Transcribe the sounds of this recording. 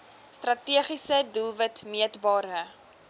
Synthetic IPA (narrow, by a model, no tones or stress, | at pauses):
strɐtiəχisədulˠvətmiətbɑːɾə